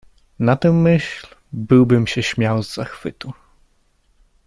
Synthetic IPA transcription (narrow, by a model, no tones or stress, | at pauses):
nat̪ɛmːɘɕlbɘwbɘmɕɛɕmʲjawzːaxfɘt̪u